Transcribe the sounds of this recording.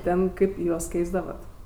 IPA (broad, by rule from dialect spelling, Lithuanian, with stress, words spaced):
ˈtʲɛn ˈkɐɪp ˈjuɔs ˈkʲɛɪzdɐʋɐt